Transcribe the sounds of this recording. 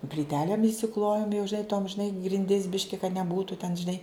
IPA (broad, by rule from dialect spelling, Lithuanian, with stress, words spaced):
pʲlʲiːˈtʲæːlʲeːm ɪʃʲsʲɪˈklˠoːjoːm jɛʊ ʒʲɪˈnɐɪ toːm ʒʲɪˈnɐɪ ɡrʲɪnʲˈdʲɪs ˈbʲɪʃʲkʲɪ kɐt nʲɛˈbuːtʊ tʲɛn ʒʲɪˈnɐɪ